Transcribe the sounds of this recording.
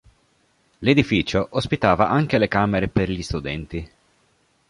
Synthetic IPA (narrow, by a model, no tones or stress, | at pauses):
led̪ifiːt͡ʃoʔospit̪aːvaʔaŋkelekaːmeɾeperʎist̪ud̪ɛnt̪i